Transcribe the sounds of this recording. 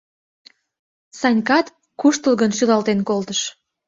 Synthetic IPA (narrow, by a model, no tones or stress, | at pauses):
sɑnʲkɑt̪ | kuʃt̪əlɣənʃylɑlt̪enkolt̪əʃ